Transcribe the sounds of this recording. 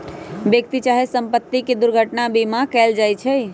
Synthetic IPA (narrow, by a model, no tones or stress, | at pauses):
bjəkt̪it͡ʃaɦesəmpət̪ːiked̪uɾɡʱəʈnabimãkɛld͡ʒajt͡ʃʰɛj